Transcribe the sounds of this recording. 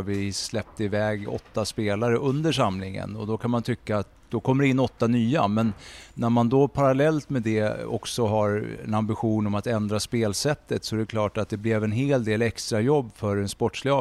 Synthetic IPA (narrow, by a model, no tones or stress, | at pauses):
vɪslɛp̚t̪əɪvɛːɡɔ̰t̪ːaspeːlaɾəʔɵnd̪əʂamlɪŋə̰nɔ̰d̪ɔkʰanmant̪ʰʏkːaːt̪̚ | d̪ɔkʰɔmːəɾɪnːɔt̪ːanyːamɛnːæɾmand̪ɔpʰaɾalɛlt̪mɛd̪ɛɔ̰ksɔɦaɾɛ̰nambɪɧuːnɔmat̪ɛnd̪ɾaspeːlsɛt̪ːət̪sɔɛɾɛkʰlɑːʈat̪̚d̪ɛblɛvɛnɦeːld̪eːlɛkst̪ɾajɔbːfœɾɛnspɔʈːʂlɪɑ